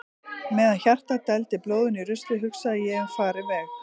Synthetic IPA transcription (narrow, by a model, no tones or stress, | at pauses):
mɛːðançar̥t̪at̪ɛlt̪ɪploːwðʏnirʏst̪lɪɦʏksaðɪjɛɣɛnfaːɾɪmɛx